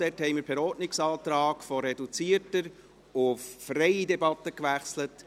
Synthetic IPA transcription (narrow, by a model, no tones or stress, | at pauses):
d̥ɛthɛɪmiːɾpʰɛɾɔːtnɪksɑːt̪ɾɑːɡ̥fɔɾɛdut͡siəɾtəɾ | ʊffɾɛjidɛbɑtːəkʋæχslət